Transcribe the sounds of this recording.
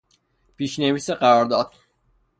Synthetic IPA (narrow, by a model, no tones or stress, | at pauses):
pʰiʃneviːseɢæɾɒɾd̪ɒːd̪̥̚